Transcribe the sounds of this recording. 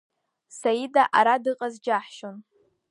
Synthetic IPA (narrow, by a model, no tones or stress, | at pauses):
sajidaʔaɾadɨqʼazd͡ʒaħʃon